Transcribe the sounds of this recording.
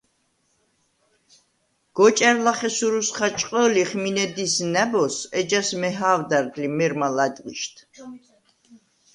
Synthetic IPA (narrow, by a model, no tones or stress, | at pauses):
ɡ̥ɔt͡ʃʼɛɾlaχɛsuɾusχat͡ʃʼqʼəliχminɛd̪isnɛbɔsɛd͡ʒasmɛɦaːvd̪aɾd̪limɛɾmalad̪ʼɡiʃt̪ʰ